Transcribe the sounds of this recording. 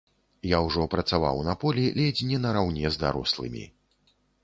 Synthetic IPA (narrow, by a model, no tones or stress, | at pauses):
jawʐɔpɾɐt̪sava̰wnɐpɔlʲilʲɛd͡zʲnʲːɛnɐɾawnʲɛzd̪a̰ɾɔ̰slˠɨ̰mʲḭ